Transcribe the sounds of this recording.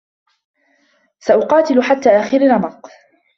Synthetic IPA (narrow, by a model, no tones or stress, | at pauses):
saʔʊqɑːt̪ɪlʊħat̪ːaːʔaːxɪɾɪnɑmɑq